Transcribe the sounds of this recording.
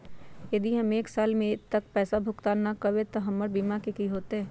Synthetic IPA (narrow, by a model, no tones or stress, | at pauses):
jɐd̪iɦɐmeːksaːlmẽt̪ɐk̚pɛːsabʱʊkt̪anakɐwet̪oɦɐmːəɾbiːmakekiɦoːt̪eɦɛ̃ː